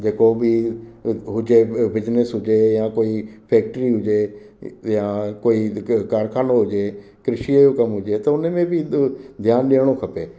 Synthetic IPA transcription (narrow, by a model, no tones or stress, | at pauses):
d͡ʒeːkoːbiː | ɦʊd͡ʒeːbɪd͡ʒnəsɦʊd͡ʒeːjãːkoːiːpʰɛːk̚ʈəɾiːɦʊd͡ʒeː | jãːkoːiːkaːɾkʰaːnõːɦʊd͡ʒeːkɾɪʃiːad͡ʒoːkəmɦʊd͡ʒeːt̪ɐʊnẽːmẽːbʱiːd̪ʱjaːnɗeːɽ̃oːkʰɐpeː